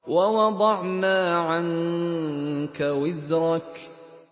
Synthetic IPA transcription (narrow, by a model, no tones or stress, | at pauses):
wawɑd̪ˤɑʕnaːʕan | kawɪzɾˤɑk